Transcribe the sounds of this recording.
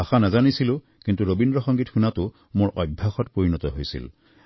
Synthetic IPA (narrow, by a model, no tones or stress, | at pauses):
axanazanisilʊ̃ | kintuɹobindɹɔxɔŋɡitxunatʊ | moɹʔɔjbʱːaxɔtpoɹinɔtɔɦojsḭl